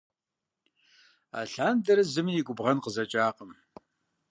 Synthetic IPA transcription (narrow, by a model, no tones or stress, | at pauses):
a̰ːɬaːndɐɾɨzɨmijiɡʷʼʊbʁɐnqəzɐt͡ʃʼaːqəm